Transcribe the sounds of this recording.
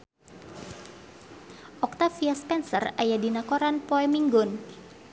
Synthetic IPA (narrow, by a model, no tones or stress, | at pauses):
ʔɔk̚t̪afiaspɛnsə̰rajadinakoɾanpɔɛmiŋɡʊn